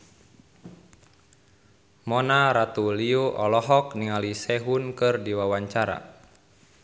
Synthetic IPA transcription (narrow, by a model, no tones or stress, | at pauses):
mɔnaɾat̪uliuʔɔlɔɦɔkniŋalisɛɦunkɨrdiwawaɲt͡ʃaɾa̰